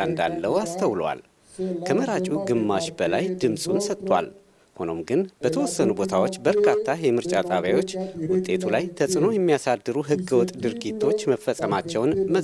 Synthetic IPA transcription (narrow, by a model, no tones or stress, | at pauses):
nd̪a̰lːəast̪ʰəwlwa̰l | kʰəməɾat͡ʃʼuɡɨmːaʃbəlajd̪ɨmsʼunsət̪ʼːwa̰l | hono̞̰mɡɨnb̥ət̪ʰəwɔsːənubo̞t̪ʰawot͡ʃːbəɾkʰat̪ʰːajɛmɨɾt͡ʃʼat̪ʼaβjawo̞t͡ʃːwʊt̪ʼːe̞t̪ʰulajt̪ʰəsʼno̞jɛmːijasad̪ːɨɾuɦɨɡəwɔt̪ʼd̪ɨɾɡit̪ʰːo̞t͡ʃːməfəsʼəmat͡ʃːɛwnmə